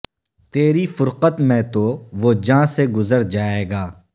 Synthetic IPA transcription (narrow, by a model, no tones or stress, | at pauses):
t̪eːɾifʊɾqət̪mẽt̪oʋod͡ʒãːseɡʊzəɾd͡ʒaːeːɡaː